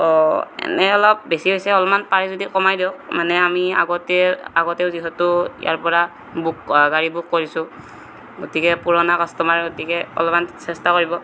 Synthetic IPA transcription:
ɔɛ̰nɛɔlɔp̚besiɦojsɛɔlɔmanpaɹizodikɔmajdiɔk̚manɛamia̰ɡɔtɛaɡɔteʊziɦɔtʊḭja̰ɹpɔɹa | bukɡaɹibukːoɹisʊ̃ | ɡotikɛpuɹɔnakɔstɔmaɹɡotikɛɔ̰lɔmansɛstakoɹibɔ

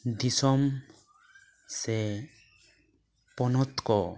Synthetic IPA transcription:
d̪isɔm | sɛ | pɔnɔt̪kɔ

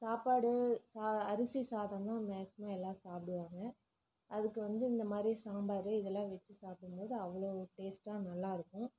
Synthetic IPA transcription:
saːpaːɽɯsaːɐɾɯsisaːðãːt̪ãːmaːksɪmãːɛlːãːsaːpɪɽɯʋaːŋɡɐ | ɐðɯkːɯʋɐnd̪ɯɪnd̪ɐmaːd̪ɾisaːmbaːɾɯɪðɛlːãːʋɛt͡ʃːɯsaːpɪɽɯmpoːðɯɐʋːɐɭoːʈeːsʈaːnɐlːaːɪɾɯkːʊ̃

